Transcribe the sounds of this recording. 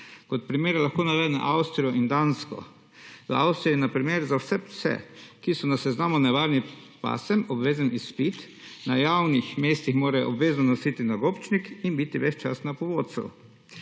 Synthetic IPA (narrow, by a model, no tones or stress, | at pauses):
kɔt̪̚pɾimeːɾalaxkoːnaʋɛːd̪na̰ʔawst̪ɾiɔʔind̪anskɔ̰ | ʋəawst̪ɾijinapɾimeɾzawsɛsɛ̰kisɔnasɛznaːmɔnɛʋaːɾni | pa̰sɛmɔbʋeːzanisːpit̪ | najawnixmeːst̪ixmoːɾɛʔɔbʋeːznɔnɔsit̪inaɡopt͡ʃnikinbit̪iʋɛt͡ʃt͡ʃa̰st̪napɔʋoːt̪sɛ̰w